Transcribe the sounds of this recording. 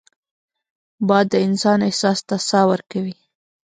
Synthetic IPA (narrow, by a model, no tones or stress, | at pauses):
bɑjd̪ːəɪnsɑnɪhsɑst̪asɑwəɾkawi